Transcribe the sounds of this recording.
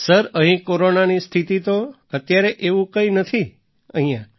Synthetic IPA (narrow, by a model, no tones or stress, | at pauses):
səɾəɦĩkoɾonanist̪ʰit̪it̪o | ət̪jaɾeʔeʋũkəinət̪ʰi | ə̰ɦĩjã